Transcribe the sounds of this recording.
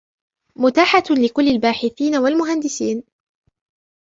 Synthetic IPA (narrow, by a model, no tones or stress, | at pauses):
mʊt̪aːħalɪkʊlːalbaːħɪθiːnawalmʊɦand̪ɪsiːn